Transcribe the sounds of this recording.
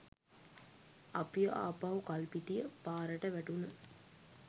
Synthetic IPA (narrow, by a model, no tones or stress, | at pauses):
apijəʔa̰ːpaɦukalpiʈijəpaːɾəʈəʋæʈunə